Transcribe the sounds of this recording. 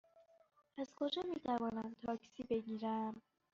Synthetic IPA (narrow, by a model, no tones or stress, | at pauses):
æz̥kʰo̞d͡ʒɒːmiːt̪ʰævɒːnæmt̪ʰɒːksiːbe̞ɟiːɾæm